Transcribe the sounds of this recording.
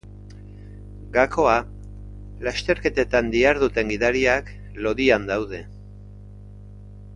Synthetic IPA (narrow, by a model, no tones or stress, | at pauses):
ɡako̞a | last̪e̞ɾke̞t̪e̞t̪and̪iaɾðut̪e̞ŋɡiðaɾiak | lo̞ðiand̪awð̞e̞